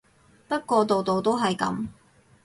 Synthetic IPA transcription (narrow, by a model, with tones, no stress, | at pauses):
pɐ˥t̚kɔː˧t̪o˨wt̪o˨wt̪o˥wɦɐ˨jkɐ̰˨˥m